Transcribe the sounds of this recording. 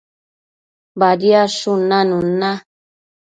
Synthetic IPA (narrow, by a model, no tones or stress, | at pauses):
badiaʃunanũnːa